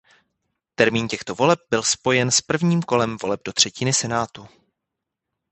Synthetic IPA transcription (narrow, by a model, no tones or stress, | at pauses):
t̪ɛɾmiːncɛxt̪o̞vo̞lɛb̚bɪlspo̞jɛnspr̩vɲiːmko̞lɛmvo̞lɛb̚do̞t̪r̥ɛcɪnɪsɛnaːt̪u